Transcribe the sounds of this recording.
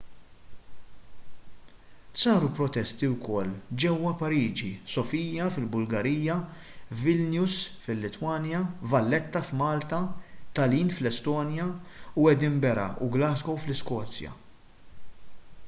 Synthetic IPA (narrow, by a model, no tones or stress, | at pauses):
sɐːɾupɾɔt̪ɛst̪iwkɔlːd͡ʒɛwːɐpɐɾiːd͡ʒisɔfiːjjɐfɪlbʊlɡɐɾiːjːɐ | vɪlnjusfɪlːɪt̪wɐːnjɐvɐlːɛt̪ːɐfmɐːlt̪ɐt̪ɐliːnflɛst̪ɔːnjɐuɛd̪imbɛɾɐ̰uɡlɐːsɡɔwflɪskɔːt͡sjɐ̰